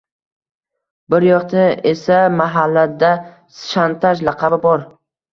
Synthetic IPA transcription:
bɪɾjɒqt̪ʰaesamaɦalːad̪a | sʃant̪ʰaʃlɑqʰɑbɪbɒɾ

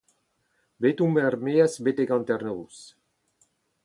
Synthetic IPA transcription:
bet̪umɛɾmeːasbet̪eɡãnt̪ɛɾnoːs

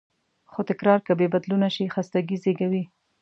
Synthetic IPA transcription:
xot̪ɪkɾɑɾkabebad̪lunaʃixast̪aɡizeɡawi

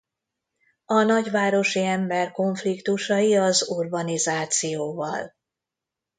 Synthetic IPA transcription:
ɒnɒɟʋaːɾo̞ʃiɛmbɛrko̞ɱflikt̪uʃɒjiɒzurbɒnizaːt̪sijoːvɒ̰l

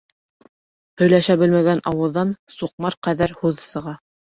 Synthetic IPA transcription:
hɵ̆jlæʃæbɘ̆lmæɡænʔɑwɤ̆ðːɑnsuq̚mɑɾqæðæɾhʉðsɤ̆ʁɑ

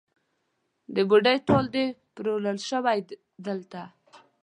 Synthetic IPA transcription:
d̪əbuɖəjʈold̪epɾoləlʃəwaj | d̪əlt̪a

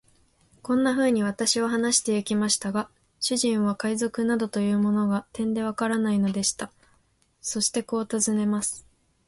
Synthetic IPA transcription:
kõ̞nːaɸɯ̟ːɲ̟iβ̞at̪aɕiβaɦanaɕi̥t̪e̞ikʲimaɕi̥t̪aɡa | ɕɨʑĩɰ̃β̞akaizo̞kɯ̟nad̪o̞t̪o̞jɯ̟ːmo̞no̞ɡat̪ẽ̞nd̪e̞β̞akaɾanaino̞d̪e̞ɕi̥t̪a | so̞ɕi̥t̪e̞ko̞ːt̪azɨne̞masɨ̥

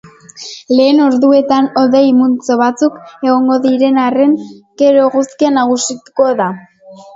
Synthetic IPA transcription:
le̞ːno̞ɾðue̞t̪ano̞ðejmunt͡so̞βat͡suke̞ɣo̞ŋɡo̞ðiɾe̞nare̞ŋke̞ɾo̞ɣuskianaɣ̞usit̪uko̞ða

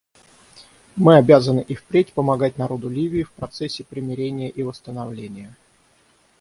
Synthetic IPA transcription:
mɨɐbʲazənɨʔifpɾʲetʲpəmɐɡat̚ʲnɐɾo̞d̪ʊlʲivʲɪːfpɾɐt̪sɛsʲːɪpɾʲɪmʲɪɾʲenʲɪjəʔivəst̪ənɐvlʲenʲɪjə

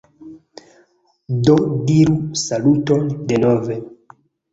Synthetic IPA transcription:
dodiɾusalutondenove

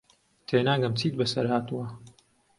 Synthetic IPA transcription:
t̪ʰeːnaːŋɡɐmt͡sʰiːt̪̚bɐsɐɾhaːt̪uwɐ

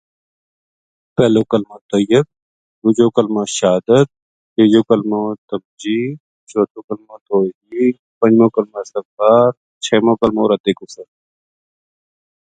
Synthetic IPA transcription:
pɛːlõːkɐlmãːt̪ɐjəb̚ | ɡʊd͡ʒoːkəlmaːʃaːd̪ət̪̚ | ɦeːd͡ʒoːkəlmõt̪ɐmd͡ʒiː | t͡ʃʰoːt̪ʰõːkɐlmõːt̪oːɦiː | pə̃nd͡ʒmõːkɐlmaːsɐfaːɾ | t͡ʃʰɛːmõːkɐlmõːɾɐt̪eːkʊsəɾ

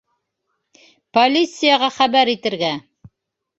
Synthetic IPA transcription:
polʲit̪sɨjaʁɑχæβæɾit̪ɘ̆ɾɡæ

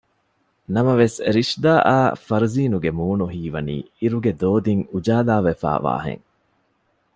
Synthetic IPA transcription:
nɐmɐʋesɾiʂd̪aːʔaːfɐɾuziːnuɡemuːnuɦiːʋɐnḭː | iɾuɡed̪oːd̪iŋud͡ʒaːlaːʋefa̰ːʋa̰ːɦḛŋ

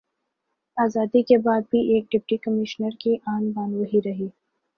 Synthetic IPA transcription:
aːzaːd̪ikebaːd̪̚bʱiʔeːk̚ɖɪp̚ʈikɐmɪʃnəɾkiʔaːnbaːnʋɐɦiɾɐɦiː

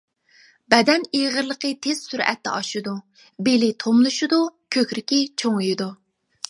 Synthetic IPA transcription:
bɛd̪ɛneʁəɾlˠəqət̪ʰez̥syɾɛ̰t̪ːɛ̰ɑʃud̪u | belɪt̪ʰomlˠuʃud̪ukʲʰøkʲɾɪkʲit͡ʃʰoŋujid̪u

